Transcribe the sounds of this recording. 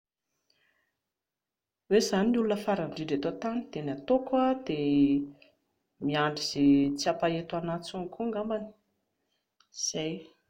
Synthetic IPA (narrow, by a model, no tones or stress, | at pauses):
wezaniulunəfaɾaɳɖ͡ʐiɖ͡ʐet̪ot̪anid̪enat̪okwad̪e | miaɳɖ͡ʐiz̥et͡siapaet̪uanat͡suŋkuŋɡambani̥ | z̥aj